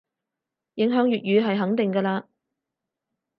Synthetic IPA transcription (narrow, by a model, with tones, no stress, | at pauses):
jɪ˨˥ŋɦœː˨˥ŋjyː˨t̚jyː˨˧ɦɐ˨jɦɐ˨˥ŋt̪ɪ˨ŋkɐː˧laː˧